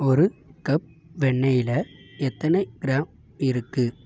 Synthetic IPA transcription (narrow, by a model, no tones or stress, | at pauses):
ɔɾɯkɐp̚ | ʋɛɳːɐjɪlɐɛt̪ːɐnɐɪɡɪɾaːm | ɪɾɯkːɯ